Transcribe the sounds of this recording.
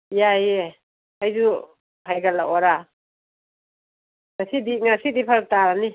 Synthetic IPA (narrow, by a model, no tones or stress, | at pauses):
jaje | ajzu | hajɡalaʔɔɾa | nasidiŋasidipʰaɾ̚taɾani